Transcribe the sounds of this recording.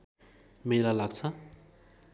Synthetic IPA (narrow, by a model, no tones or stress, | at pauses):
melalaɡt͡sʰʌ